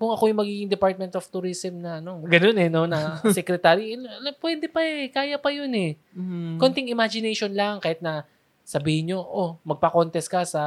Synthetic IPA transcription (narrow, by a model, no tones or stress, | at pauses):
kʊŋɐkojʊŋmɐɡiːɡɪŋd̪ɛpaɹt̪̚mɛnt̪oft̪uɾisɛmnɐʔɐno̞ɡɐno̞nɛno̞nɐsɛkɾɛt̪aːɾiɐpwɛd̪ɛpɐɛkaːjɐpɐjonɛ | ko̞nt̪ɪŋɪmad͡ʒɪnɛjʃo̞nlɐŋkaːhɪt̪̚nɐ | sɐbiːhɪɲɲo̞ʔomɐɡ̚pɐko̞nt̪ɛskɐsɐ